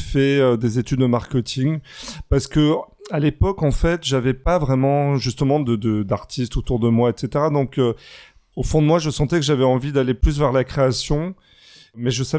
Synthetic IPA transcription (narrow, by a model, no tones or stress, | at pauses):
fɛød̪ezet̪yd̪ːəmaʁkʲət̪ʰiŋpaʁsə̥kə | alepɔkɑ̃fɛt̪ʒavɛpavʁɛmɑ̃ʒyst̪əmɑ̃d̪əd̪əd̪aʁt̪ʰist̪ot̪uʁd̪əmwaɛt̪set̪eʁad̪ɔ̃kø | ofɔ̃d̪əmwaʒəsɑ̃t̪ɛkəʒavɛɑ̃vid̪aleplys̬vɛʁlakχeasjɔ̃ | mɛʒəsav